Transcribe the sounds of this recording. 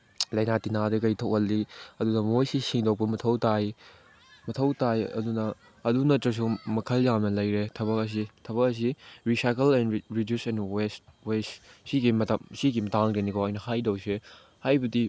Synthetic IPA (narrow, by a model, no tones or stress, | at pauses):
lɐjnatinadɐkɐjtʰɐwhɐlːiɐdunɐmojsisiŋdɔk̚pɐmɐtʰɐwtaj | mɐtʰɐwtajɐ̰dunɐː | dunɐtɾɐs̬umɐkʰɐljamnɐlɐjɾetʰɐβɐk̚ɐs̬itʰɐβɐkɐs̬iɾisajkɐlɛnɾidjusɛnwestwessiɡimɐtɐmsiɡimɐtaŋɾenikʰɔɐjnɐhajdɐwse | hajbɐdi